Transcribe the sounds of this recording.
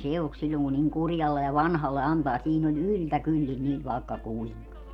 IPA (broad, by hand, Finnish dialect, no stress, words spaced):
se ok silʲːoŋ ku niŋ kurjɑlːe jɑ ʋɑnhɑlːe ɑntɑː siːn olʲ yltækylːin niʋ ʋɑˑekːɑ kuiŋkɑ